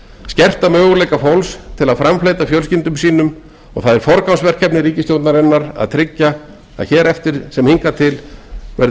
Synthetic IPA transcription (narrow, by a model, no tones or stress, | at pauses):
scɛr̥t̪amœːɣʏlejkafowlst̪ʰɪlaðfɾamflejt̪afjœlscɪnt̪ʏmsiːnʏm | ɔɣθaðɛɾ̥fɔɾkawnsvɛr̥kʰɛpnɪɾiːcɪst̪jowt̪naɾɛnːaɾa̰ðt̪ʰɾɪcːa̰ː | ðçɛːɾɛft̪ɪɾ̥sɛmhiŋkat̪ʰɪlvɛɾ